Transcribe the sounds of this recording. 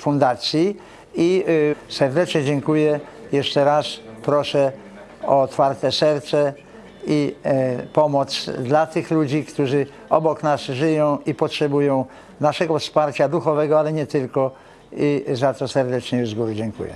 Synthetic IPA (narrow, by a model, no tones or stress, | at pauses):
fũnd̪at̪sʲji | isɛɾd̪ɛt͡ʂɲɛd͡ʑɛŋkujɛ | jɛʂtɛɾaspɾɔʂɛ | ɔːt̪faɾt̪ɛsɛɾt̪sɛ | i | pɔmɔt̪sd̪lat̪ɘxlud͡ʑikt̪uʐɘ | ɔbɔknasʐɘjɔ̃w̃ipɔtʂɛbujɔ̃w̃ | naʂɛɡɔfspaɾt͡ɕad̪uxɔvɛɡɔalɛɲɛt̪ɘlkɔ | izat̪ɔsɛɾd̪ɛt͡ʂɲɛjuzɡujɛd͡ʑɛŋkṵjɛ̰